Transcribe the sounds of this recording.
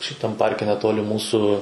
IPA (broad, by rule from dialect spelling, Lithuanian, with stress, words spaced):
ʃʲɪˈtɐm ˈpɐrʲkʲɛ nʲɛˈtoːlʲɪ ˈmuːsʊ